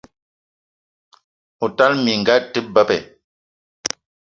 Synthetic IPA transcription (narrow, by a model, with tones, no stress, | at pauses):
u˨ta˦lmi˨ŋ˨ɡa˦tɨ˦ba˦pɛ˨